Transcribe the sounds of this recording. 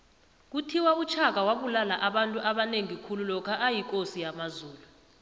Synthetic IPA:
k̬utʰiwaut͡ʃʰak̬awaɓulalaʔaɓantʼuʔaɓaneŋikʰululɔkʰaʔajik̬ʼosijamazuːlu

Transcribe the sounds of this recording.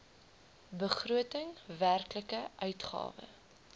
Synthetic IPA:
bəχruətəŋværkləkəʔœɥtχɑ̰ːvə̰

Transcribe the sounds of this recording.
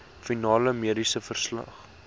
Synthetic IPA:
finɑːləmiəɾisəfərslɐ̰χ

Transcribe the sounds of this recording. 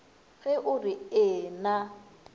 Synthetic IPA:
ɣɛʔʊriɪːna

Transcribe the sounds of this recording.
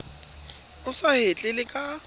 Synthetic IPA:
ʊsahet͡ɬʼɪlɪkʼa

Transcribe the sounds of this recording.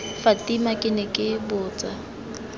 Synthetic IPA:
fatʼimakʼɪnɛkʼɪbʊːt͡sʼa

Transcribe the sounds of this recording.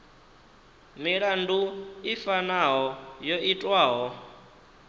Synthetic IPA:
miɺanduifanaɦɔjoitʼwaːɦɔ

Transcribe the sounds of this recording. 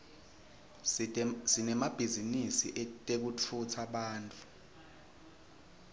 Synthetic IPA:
sinɛmab̥ʱizinisiʔɛtʼek̬ut͡fʰutʰaɓaːntʼu

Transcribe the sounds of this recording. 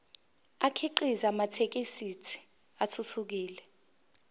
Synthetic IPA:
akʰiǃizamatʰek̬ʼisitʰi̥ | atʰutʰuk̬iːlɛ

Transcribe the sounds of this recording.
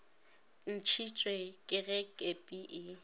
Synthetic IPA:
n̩t͡ʃʰit͡ʃʼwekʼɪɣɛkʼepʼiʔɪ

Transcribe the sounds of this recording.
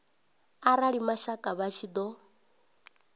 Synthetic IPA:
aɾaɺimaʃakʼaβat͡ʃʰid̪ɔ

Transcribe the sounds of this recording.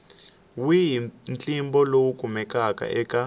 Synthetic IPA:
wiɦint͡ɬʼimbɔlowukʼumɛkakʼa̰ʔɛka

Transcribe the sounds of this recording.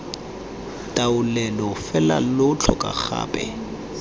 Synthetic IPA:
tʼaʊlɛlɔfɛla̰lʊt͡ɬʰɔkʼa̰k͡xa̰ːpʼɛ̰

